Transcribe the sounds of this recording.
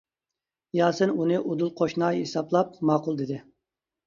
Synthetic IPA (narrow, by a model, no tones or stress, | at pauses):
jɑːsɨnunɨʔod̪ulˠqʰoʃnɑɦesɑblˠɑp̚mɑːqʊlˠd̪ɪd̪ɪ